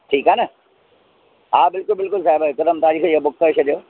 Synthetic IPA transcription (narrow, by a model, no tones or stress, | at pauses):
ʈʰiːkaːnɐ | aːbɪlkʊlbɪlkʊlsaːɪbaɪkɐd̪əmt̪aːd͡ʑikʰeiɦobʊk̚kːəɪʃɐɗijoː